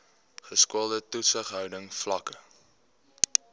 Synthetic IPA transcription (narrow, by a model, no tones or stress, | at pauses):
χəskuəlˠdətusəχɦœwdəŋflɐkə